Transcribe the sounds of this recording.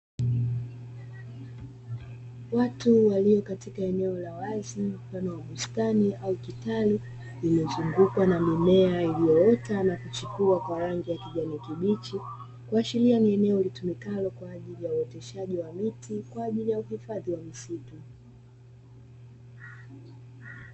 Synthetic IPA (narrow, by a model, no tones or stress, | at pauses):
watuwaliɔkatikaɛnɛɔlawazimfanɔwaɓustaniaukitalu | imɛzuŋɡukwanamimɛailijɔɔtanakut͡ʃukuakwaɾaŋɡijakiʄanikiɓit͡ʃi | kuat͡ʃilianiɛnɛɔlitumikalɔkwaːʄilijauɔtɛʃaʄiwamitikwaːʄilijauhifaðiwamisitu